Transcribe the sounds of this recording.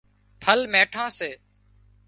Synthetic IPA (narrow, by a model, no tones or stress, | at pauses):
pʰəlmẽːʈʰãːseː